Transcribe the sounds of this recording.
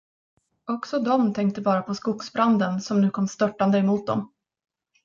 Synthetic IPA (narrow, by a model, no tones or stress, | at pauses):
ɔksɔd̪ɔmt̪ʰɛŋk̚t̪əbɑːɾapʰɔskʊksbɾand̪ənsɔmnʉ̟ːkʰɔmːst̪œʈːand̪əɛmuːt̪̚d̪ɔ̰m